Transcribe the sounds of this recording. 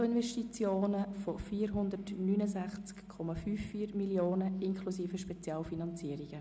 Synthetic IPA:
ɪnvɛʃtit͡sjoːnəfofiːɾɦʊnd̪ərtnyːnəsæχt͡skkʰɔmɑfyːfːiːəɾmiljoːnəɪnkʰlusiːfəʃpɛt͡sjɑːlfinɑnt͡siəɾiɡ̥ə

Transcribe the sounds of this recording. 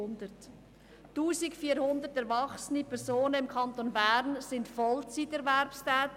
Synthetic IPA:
ndət | tuːsɪkfiːəɾhʊndətɛɾvɑχsənipʰɛɾszoːnəɪmkʰɑntonbɛːɾnsɪntfɔlt͡sitɛɾvɛɾpstɛːt

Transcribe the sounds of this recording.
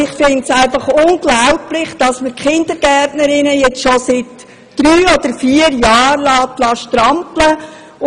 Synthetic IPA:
ɪχfɪntsæɪfɑχʊnɡlaʊplɪχd̥ɑsməkχɪnd̥̪əɾɡ̥ɛrtnəɾɪnəjɛt͡sʃosɪt | d̥ɾyːɔd̥̪əɾfiːəɾjɑːɾlɑːt̪lɑːʃtɾɑmplə

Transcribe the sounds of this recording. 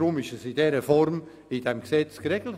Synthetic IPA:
ɾʊmɪʃəsɪdɛɾəfɔɾm | ɪdɛmksɛt͡skreɡl̩t

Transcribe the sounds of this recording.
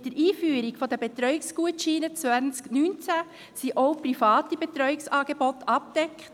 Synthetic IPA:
dəɾiːfyːəɾɪɡfɔdəbet̪ɾœʏɪkskuətʃiːnət͡sʋænsknynt͡sæ | siʔoʊprifɑːtib̥et̪ɾœʏɪksɑːɡ̥ebɔtɑp̚d̥ɛkχt

